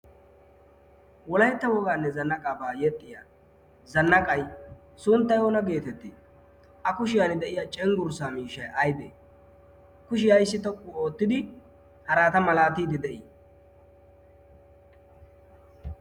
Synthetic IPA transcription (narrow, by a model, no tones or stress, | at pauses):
wɔlɐjɛt̪ːɐwɔɡaːnːɛzɐnːɐkʼaːbaːjɛt̪ʼːɪjaː | zɐnːɐkʼɐj | sʊnt̪ːɐjoːnɐɡe̞ːt̪ɛt̪ːɪ | ʔɐkʊʃɪjɐnɪd̪ɛʔɪjaːt͡ʃʼɛŋɡʊɾsaːmiːʃɐjʔɐjbḛː | kʊʃɪjɐjsːɪt̪ɔkʼːʊo̞ːt̪ːɪd̪ɪ | hɐɾaːt̪ɐmɐlaːt̪iːd̪ɪd̪ɛʔɪ